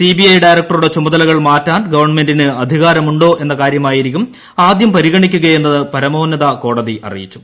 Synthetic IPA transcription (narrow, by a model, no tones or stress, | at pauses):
sibiɐjɖɐjɾɐk̚ʈɐruɽe̞t͡ɕumɐðɐlɐɣɐɭmaːtːaːnɡɐʋɐrɳɐme̞ndinɨɐd̪ʱiɣaːɾɐmuɳɖo̞ːʔe̞nːɐkaːɾjɐmaːjiɾikʲːum | aːd̪jɐmpɐɾiɣɐɳikʲːuɣɐje̞nːɐðɨpɐɾɐmo̞ːnːɐðɐko̞ːɽɐðiʔɐ̰rḭjḭt͡ɕːu̥